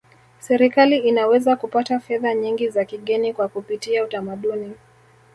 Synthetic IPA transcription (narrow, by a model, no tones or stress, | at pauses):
sɛɾikaliinawɛzakupatafɛðaɲiŋɡizakiɠɛnikwakupitiautamaɗuni